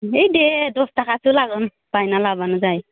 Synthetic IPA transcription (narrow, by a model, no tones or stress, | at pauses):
ejdedɔstakʰasulaɡɔn | pajnalabanɔzaj